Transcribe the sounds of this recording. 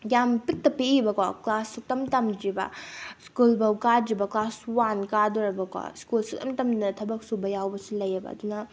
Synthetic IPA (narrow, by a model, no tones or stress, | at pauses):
jampitːɐpiibɐkaklasuk̚tɐmtɐmd͡ʒibɐ̰skulbɐwkad͡ʒibɐklaswankaduɾɐbɐkwa̰skulsuk̚tɐ̰mtɐmdɐtʰɐbɐk̚subɐjawbɐsilɐjɐbɐ̰ɐ̰dunɐ